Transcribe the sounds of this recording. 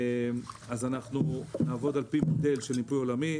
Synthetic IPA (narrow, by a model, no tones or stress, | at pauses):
m | azanaχnunaːvo̞d̪alpimode̞lʃelnipujo̞lami